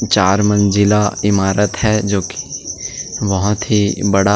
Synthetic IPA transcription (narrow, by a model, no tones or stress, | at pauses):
t͡ʃaːɾmə̃nd͡ʒɪlaɪmaːɾət̪hɛd͡ʒoːki̥ | ʋɐɦʊt̪ɦibɐɽa